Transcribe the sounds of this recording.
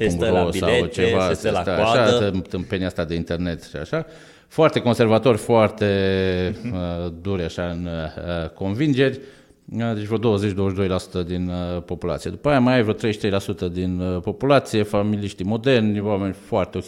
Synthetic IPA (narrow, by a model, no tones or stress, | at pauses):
uŋkosa̰t͡ʃevat̪at̪aʃat̪ɨmpeniast̪ad̪e̞int̪e̞rne̞t̪ʃia̰ʃa | foart̪e̞ko̞nservat̪o̞rʲfoart̪e̞ | d̪uɾʲaʃaɨnəko̞nvind͡ʒe̞rʲ | d̪et͡ʃvɾod̪o̞wəzet͡ʃd̪owəʃd̪o̞jlasu̥t̪əd̪inpo̞pula̰t̪sije̞d̪upajamajajvɾot̪ɾe̞jʃt̪ɾejlasut̪əd̪inpo̞pulat̪sije̞familiʃt̪imo̞d̪ernʲwame̞nʲfoart̪eo